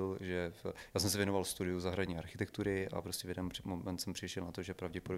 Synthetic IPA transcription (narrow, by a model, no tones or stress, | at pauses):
lʒɛjaːsɛmsɛvjɛnovalst̪udɪjuzaɦɾadɲiːaɾxɪt̪ɛk̚t̪uɾɪʔa̰pɾoscʲɛvjɛdɛnmomɛnt̪sɛmpr̥ɪʃɛlnat̪oʒɛpɾavɟɛpodo